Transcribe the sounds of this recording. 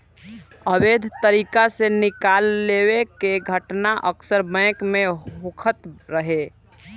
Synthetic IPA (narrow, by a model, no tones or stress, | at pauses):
əbed̪ʱt̪əɾikasenɪkalːewekeɡʱəʈnaʔəksəɾbɛ̃ːkmẽɦokʰət̪ɾəɦe